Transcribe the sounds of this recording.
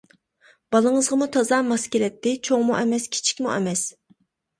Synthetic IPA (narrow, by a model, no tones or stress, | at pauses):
b̥ɑlˠəŋəzʁɑmut̪ʰɑzɑːmɑskʲilɛt̪ːɪt͡ʃʰoŋmuʔɛmɛskʲʰi̥t͡ʃʰi̥kʲmuʔɛ̰mɛs